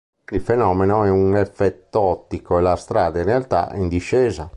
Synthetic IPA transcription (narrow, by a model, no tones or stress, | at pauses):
ilfɛnɔːmɛnoɛunɛfɛt̪ːoɔt̪ːikoɛlast̪ɾaːd̪ainrealt̪a̰ind̪iʃːɛːza